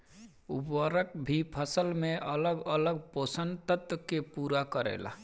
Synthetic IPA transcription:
ubəɾək̚bʱipʰəsəlmeʔələɡələɡ̚posənt̪ət̪əkepuɾakəɾḛla̰

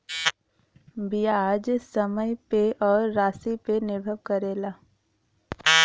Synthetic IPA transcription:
bijaːd͡ʒsəməjpeʔɔːɾːaːsipenɪɾbʱəʋkəɾeːlaː

